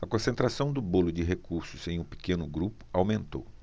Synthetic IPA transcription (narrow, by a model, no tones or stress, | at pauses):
ɐkõsẽnt̪ɾasɐ̃w̃d̪ʊbolʊd͡ʒɪɦekuɾsʊz̥ẽj̃ũpi̥kẽnʊɡɾupʊ̥awmẽnt̪ow